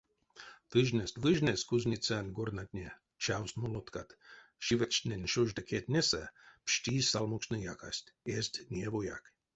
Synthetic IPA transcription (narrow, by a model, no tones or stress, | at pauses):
t̪ɨʒnʲɛsʲt̪ʲvɨʒnʲɛskuzʲnʲit͡sʲanʲɡornat̪ʲnʲe | t͡ʃawst̪molˠot̪kat̪ʃivɛt͡ʃʲnʲenʲʃoʒd̪akʰʲet̪ʲnʲesapʃtʲisalˠmukt͡ʃnɨjaka̰sʲt̪ʲesʲt̪ʲnʲievoja̰k